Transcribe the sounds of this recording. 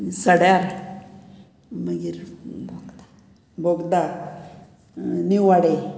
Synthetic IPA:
səɽjaɾ | məɡiɾbʱoɡd̪a | bʱoɡd̪a | niʋaɽe

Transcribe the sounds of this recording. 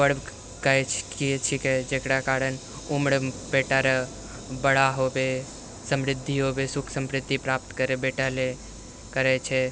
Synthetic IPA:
bəɽb | kəjt͡ʃʰkiet͡ʃʰiked͡ʒekɽakaɽən | umɽbeʈaɾə | bəɽaɦobe | səmɾɪd̪ʱːiɦobesukʰsəmɾɪd̪ʱːipɾap̚t̪kəɾebeʈale | kəɾɛt͡ʃʰɛ

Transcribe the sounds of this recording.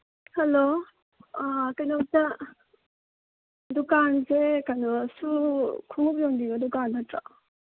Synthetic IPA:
hɐlo | kajnap̚tɐ | dukansekanɔsukʰuŋup̚joŋdiŋɡɐdukanːɐtɾa

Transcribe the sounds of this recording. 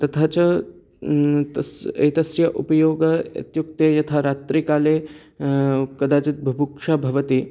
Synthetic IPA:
t̪ɐt̪ʰat͡ɕɐ | ḛt̪ɐsjɐʔupɐjoːɡɐɐ̰t̪juk̚t̪ejɐt̪ʰaɾat̪ɾikaːle | kɐd̪aːt͡ʃit̪̚bʱɐbukʂabʱɐʋɐt̪i

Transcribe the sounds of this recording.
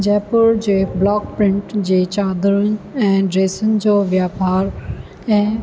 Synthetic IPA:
d͡ʑɛːpəɾd͡ʑeːblɔːkpɾɪ̃ɳʈd͡ʑeːt͡ɕaːd̪ɾʊnɪ̆ɛ̃ːɖɾeːsənɪ̆d͡ʑoːʋjaːpaːɾ | ɛ̃ː

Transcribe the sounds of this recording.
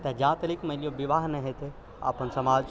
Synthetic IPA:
t̪ed͡ʒãːt̪ɐlikmɐlijoʋiʋaːɦnɐɦet̪e | a̰ːpənsɐmaːlt͡ʃ

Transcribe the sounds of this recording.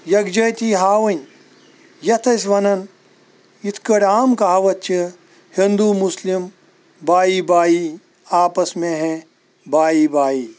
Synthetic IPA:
jɐɡd͡ʒɐjt̪iɦaːʋɐnʲ | jɐt̪ʰɐs̬ʲʋɐnɐn | it̪ʰkɐɽʲaːmkaːʋɐt̪̚t͡ʃʰi | hind̪uːmuslim | baːiːbaːiː | aːpɐsmẽɦẽ | baːiːbaːiː

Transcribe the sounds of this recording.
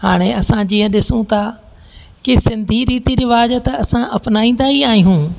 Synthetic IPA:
ɦaːɽ̃eɐsãd͡ʑiːə̃ɗɪsũt̪ʰaː | kisɪ̃nd̪ʱiɾiːt̪iɾɪʋaːzət̪ɐsãʔɐpnaːĩːn̆d̪aːɦiaːɦijũː

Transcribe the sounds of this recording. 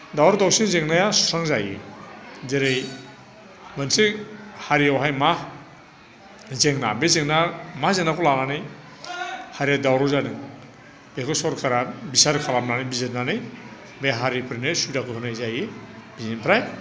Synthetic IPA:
dawɾɔdɔksinzeŋnajasɔ̥saŋzajḭ | zeɾej | bansehaɾiawɦajma | zeŋna̰bezeŋnamazenakʰɔlaɡanɯj | haɾijadawɾɔzanɯŋ | b̥ekɔsɔɾkʰaɾabisaɾkʰalamnanɯibizet̚nanɯj | beɦaɾipʰɾinesudakʰɯkʰɯnajzajebizenpʰɾaj

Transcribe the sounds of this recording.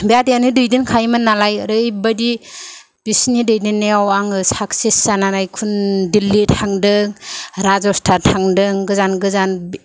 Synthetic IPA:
beadianɯdɯjdinkʰajmɯnalajɾɯjbadi | b̥isnidɯjdinːeawaŋɯsak̚sesanaɾajkʰundilːitʰaŋdɯŋɾazɔstʰatʰaŋdɯŋɡɯzanɡɯzanb

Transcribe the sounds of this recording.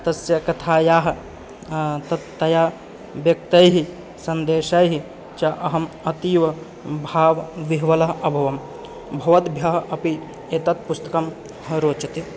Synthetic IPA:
t̪ɐsjɐkɐt̪ʰaːjaːɦɐ | t̪ɐt̪ːɐjaː | ʋjɐk̚t̪ɐjɦi | sɐnd̪eːʃɐjɦi | t͡ʃɐʔɐɦɐmɐt̪iːʋɐ | bʱaːʋʋiɦʋɐlɐɦɐbʱɐʋɐm | bʱɐʋɐt̪bʱjɐɦɐɐpi | et̪ɐt̪̚pust̪ɐkɐm | ɾoːt͡ʃɐt̪i

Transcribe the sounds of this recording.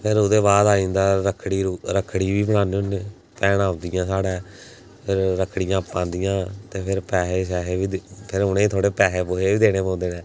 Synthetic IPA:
pʰɪɾʊd̪eːbaːd̪aːĩːnd̪aːɾəkʰːɽiːɾuɾəkʰːɽiːʋiːbəɽ̃ãːneʊneː | pɛːɽaːʊ̃nd̪ɪjãːsaːɽẽː | pʰɪɾːəkʰːɽɪjãːpːãːnd̪ɪjãːt̪eːpʰɪɾpɛːɦeːʃ̬ɛːɦeːʋiːpʰɪɾʊnẽːt̪ʰoːɽeːpɛːɦeːpoːɦeːiːd̪eːɽ̃eːpãːnd̪eːnɛ̃ː

